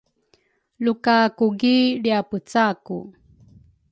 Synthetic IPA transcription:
lukakuɡiɭiaput͡saku

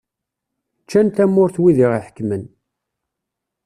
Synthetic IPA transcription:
t͡ʃːænt̪æmːʊɾθwiðiʁiħə̥kːmən

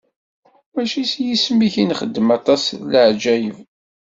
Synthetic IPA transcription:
mæʃisjismiçinχəd̪ːəmɑt̪ˤɑsləʕd͡ʒæjəv

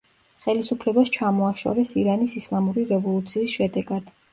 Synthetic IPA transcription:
χɛlisupʰlɛbast͡ʃʰamɔaʃɔ̰ɾɛsiɾanisislˠamuɾiɾɛvɔlˠut̪sʰiːsʃɛd̪ɛɡad̪̥

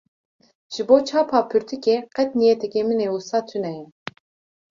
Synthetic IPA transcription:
ʒ̥ɨboːt͡ʃʰɑːpʰɑːpʰyɾt̪ʰikʲeqɛt̪nijɛt̪ʰɛkʲemɨneusɑːt̪ʰynɛjɛ

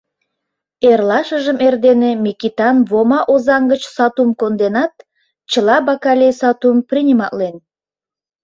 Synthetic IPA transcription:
erlɑʃəʒəmerd̪enemʲikit̪ɑnβomɑʔozɑŋɡət͡ɕsɑt̪umkond̪enɑt̪̚ | t͡ɕəlɑbɑkɑlʲejsɑt̪umprinʲimɑʔlen

